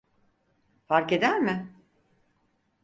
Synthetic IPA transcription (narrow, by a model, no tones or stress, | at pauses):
faɾke̞d̪æɾmɪ